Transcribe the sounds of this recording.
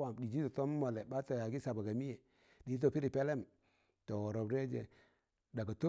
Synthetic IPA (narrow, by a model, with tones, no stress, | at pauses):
a˨mdi˨d͡ʒi˦to˨to˦m˦mo˨le˨ba˦to˨ja˨ɡi˦sa˨ba˨ɡa˨mi˦je˨ | di˨˦t̬o˨pi˦ɾi˨pe˦le˦m | to˨wo˨ɾo˨bɾe˦d͡ʒḛ˨ | da˨ɡa˨to˦